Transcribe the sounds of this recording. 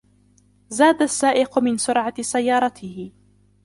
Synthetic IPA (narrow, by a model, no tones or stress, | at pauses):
zaːd̪asːaːʔɪqʊmɪnsʊɾʕasajːɑːɾˤɑt̪ʰɪhɪ